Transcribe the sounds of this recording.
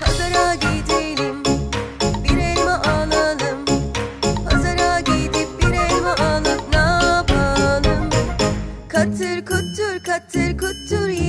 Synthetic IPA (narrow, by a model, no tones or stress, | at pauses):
hazaɾaɟid̪ejlʲim | biɾelʲmɛʔaːlˠalɯm | hazaɾaːɟiːd̪ip̚biɾelʲmɛʔaːlˠɯpnapalˠɯm | kʰat̪ʰɯɾkʰut̪ːuɾkʰat̪ʰɯɾkut̪ːuɾ